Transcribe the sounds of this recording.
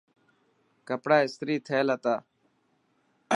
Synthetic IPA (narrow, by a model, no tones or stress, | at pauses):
kəpɽaːɪst̪ɾiːt̪ʰeːlət̪aː